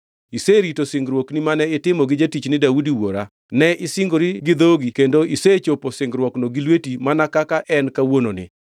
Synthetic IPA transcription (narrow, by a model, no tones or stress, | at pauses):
iseɾitosɪŋɡɾwoknimanɛɪtɪmɔɡɪd͡ʒetit͡ʃnɪdaudiwoɾa | nɛʔɪsɪŋɡoɾiɡɪd̪oɡikendoiset͡ʃoposɪŋɡɾwɔknoɡilwetimanakakaʔɛnkawononɪ̰